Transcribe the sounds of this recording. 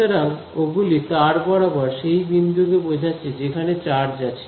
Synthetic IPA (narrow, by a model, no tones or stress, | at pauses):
aɾaŋ | oɡulit̪aɾbɔɽabaɾʃejbind̪ʱuɡebod͡ʑʱat͡ɕʰed͡ʑekʰanet͡ɕaɾd͡ʑat͡ɕʰe̥